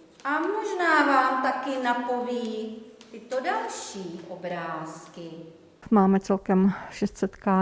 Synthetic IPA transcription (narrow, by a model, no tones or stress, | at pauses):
ʔamoʒnaːvaːmt̪akɪnapo̞viːt̪ɪt̪odalʃiːʔobɾaːskɪ | maːmɛt͡sɛlkɛmʃɛst̪sɛt̪kaː